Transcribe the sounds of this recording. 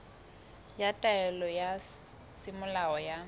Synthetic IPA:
jatʼaɛlɔja | sɪmʊlaɔja

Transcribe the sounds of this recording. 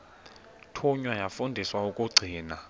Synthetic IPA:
tʰuɲwajafundʱiswaukʼuɡ͡ǀʱiːna

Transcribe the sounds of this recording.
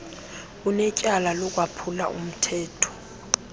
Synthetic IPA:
unɛcʼalalɔkʼwapʰula̰ʔṵm̩tʰɛːtʰɔ̥

